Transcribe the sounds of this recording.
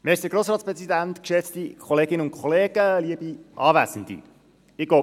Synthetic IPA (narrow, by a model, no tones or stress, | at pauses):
mesdəɡɾoːsɾɑːtspɾɛsid̪ænt̪kʃɛt͡st̪ikʰχɔleːɡɪnəʊntkʰχɔleːɡ̥əliəbiʔɑːʋæsən̩d̪ḭ | ɪɡ̥o